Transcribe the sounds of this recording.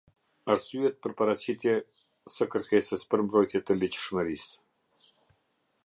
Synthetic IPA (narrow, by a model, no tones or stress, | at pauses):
aɾsyɛt̪̚pəɾpaɾat͡ɕit̪jɛ | səkəɾkɛsəspəɾmbɾɔjt̪jɛt̪əlit͡ɕə̥ʃməɾis